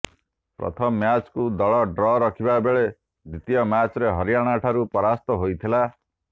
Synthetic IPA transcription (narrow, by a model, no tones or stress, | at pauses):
pɾɔ̰t̪ʰɔmɔːjat͡ʃkud̪ɔɭɔɖɾɔɾɔkʰibabeɭe | d̪it̪ijɔmjat͡ʃɔɾeɦɔɾijaɽ̃aʈʰaɾupɔɾast̪ɔɦojt̪ʰila